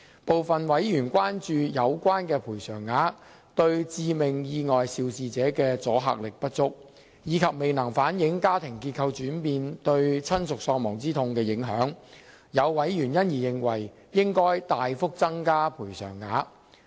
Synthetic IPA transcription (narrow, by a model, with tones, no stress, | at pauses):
po˨wfɐ˨nwɐ˨˥jjyː˨˩nkʷaː˥nt͡ʃyː˧jɐ˨˧wkʷaː˥nkɛː˧pʰuː˨˩jsœː˨˩ŋːaː˨˥ | t̪ɵ˧ɥt͡siː˧mɪ˨˩ŋjiː˧ŋɔː˨jsiː˧wsiː˨t͡sɛː˨˥kɛː˧t͡sɔː˨˥ɦa̰ː˨k̚lɪ˨k̚pɐ˥t̚t͡sʊ˥k̚ | jiː˨˧˥kʰɐ˨p̚me˨jnɐ˨˩ŋfaː˨˥njɪ˨˥ŋkaː˥t̪ʰɪ˨˩ŋkiː˧t̚kʰɐ˧wt͡ʃyː˨˥npiː˨˧nt̪ɵ˧ɥt͡sʰɐ˥nsʊ˨k̚sɔː˧ŋmɔː˨˩ŋt͡siː˥t̪ʰʊ˧ŋkɛː˧jɪ˨˥ŋɦœː˨˥ŋ | jɐ˨˧wːɐ˨˥jɥyː˨˩njɐ˥njiː˨˩jɪ˨ŋwɐ˨˩j | jɪ˥ŋkɔː˥jt̪aː˨jfʊ˥k̚t͡sɐ˥ŋkaː˥pʰuː˨˩jsœ̰ː˨˩ŋːaː˨˥